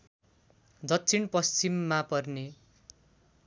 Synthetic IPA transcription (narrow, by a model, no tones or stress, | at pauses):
d̪ʌtːsʰinpʌst͡simːapʌrne